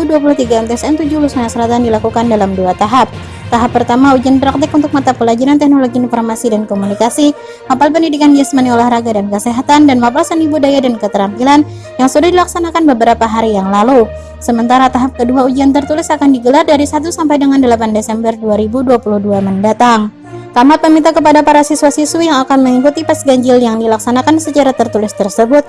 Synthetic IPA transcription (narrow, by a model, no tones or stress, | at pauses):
uduap̬uluht̪iɡaɛmt̪ɛsɛnt̪ud͡ʒulusmaɲasəlat̪andilakukandalamduat̪aɦap̚ | t̪aɦapːərt̪amaud͡ʒanpɾak̚t̪ɪkunt̪ʊk̚mat̪apəlad͡ʒaɾant̪ɛhnoloɡiinfɔrmasidankomunikasi | mapalp̬əndidikandiasmaniolahɾaɡadankəseɦat̪andanmapalsənibudajadankət̪əɾampilan | jaŋsudahdilaksanakanbəbəɾapaɦaɾijaŋlalu | səmənt̪aɾat̪aɦap̚kəduaud͡ʒiant̪ərt̪ulɪsakandiɡəlardaɾisat̪̬usampajdəŋandəlapandesɛmbərduaɾibuduapuluhduaməndat̪aŋ | kamapəmint̪akəpadapaɾasisuasiswijaŋakanməŋikut̪ipasɡaɲd͡ʒɪljaŋdilaksanakansət͡ʃaɾat̪ərt̪ulɪst̪ərsəbʊt̪̚